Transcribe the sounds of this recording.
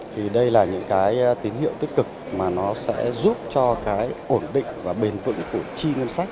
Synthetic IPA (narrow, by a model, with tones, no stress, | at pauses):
t̪ʰi˨˩ɗə˧jlaː˨˩ɲɨ̰˧˥ŋkaː˨˦jt̪i˨˦nhḭ˧˨əwt̪i˦˥k̚ːɨ˨˩k̚maː˨˩nɔ˨˦sɛ̰˧˥zu˦˥p̚t͡ɕɔ˧kaː˨˦jʔo˧˩nɗḭ̈˧˨ŋ̟vaː˨˩ɓe˨˩nvɨ̰˧˥ŋku˧˩ət͡ɕi˧ŋə˧nsa˦˥k̟̚